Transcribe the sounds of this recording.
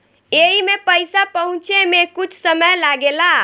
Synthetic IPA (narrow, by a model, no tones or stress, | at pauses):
eɦimepəjsapəɦũt͡ʃemekut͡ʃʰsəməjlaɡela